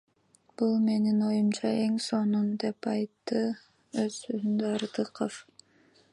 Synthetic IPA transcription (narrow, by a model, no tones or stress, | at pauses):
b̥ulˠme̞nino̞jumt͡ʃʰɑe̞ŋso̞numd̪e̞pɑjt̪ːɯ | øz̥søzymd̪øɑɾd̪ɯqəf